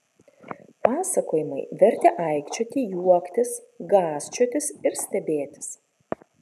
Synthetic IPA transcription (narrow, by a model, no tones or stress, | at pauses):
pɑːsɐkoːjɪmɐɪʋʲɛɾʲt̪ʲɛʔɐˑɪkt͡ʃʲuːt̪ʲiːjuɔkt̪ʲɪs | ɡɑːsʲt͡ʃʲut̪ʲɪsɪɾsʲt̪ʲɛbʲeːt̪ʲɪ̥s